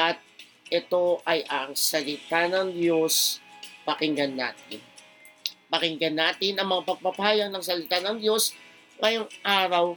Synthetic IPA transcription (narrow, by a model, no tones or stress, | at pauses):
ʔɐt̪̚ | ʔɛt̪o̞ʔɐjʔɐŋsɐlɪt̪anɐŋd̪jo̞spɐkɪŋɡɐnːa̰ːt̪ɪ̰n | pɐkɪŋɡɐnːaːt̪ɪnɐŋmɐŋapɐɡ̚pɐpaːjɐɡ̚nɐŋs̬ɐlɪt̪anɐŋd̪jo̞s | ŋɐjoŋʔaːɾɐw